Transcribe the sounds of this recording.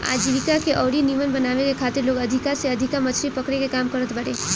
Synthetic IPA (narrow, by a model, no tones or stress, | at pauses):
a̰ːd͡ʒiʋikakeʔɔːɽiniʋənbɐnaːʋekekʰaːt̪ɪɾloːɡɐd̪ʱɪkaseɐd̪ʱɪkamɐt͡ʃʰɾipɐkɽekekaːmkɐɾət̪bɐɽeː